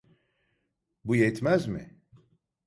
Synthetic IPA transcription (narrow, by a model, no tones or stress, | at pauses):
bujɛt̪mæzmɪ̰